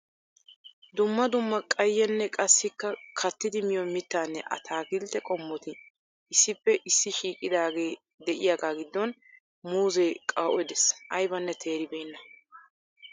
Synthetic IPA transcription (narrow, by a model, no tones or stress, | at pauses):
d̪ʊmːɐd̪ʊmːɐkʼɐjːɛnːɛkʼɐsːɪkːɐkʰɐt̪ːɪd̪ɪmɪjɔmɪt̪ːaːnːɛʔɐ̰t̪ʰaːɡɪlt̪ɛkʼɔmːɔt̪ɪ | ɪsːɪpːɛʔɪsːɪʃiːkʼɪd̪aːɡe̞ː | d̪ɛʔɪjaːɡaːɡɪd̪ːɔn | muːzɛːkʼaːʔɔd̪ɛsʔɐjbɐnːɛt̪ʰe̞ːɾɪbejnːɐ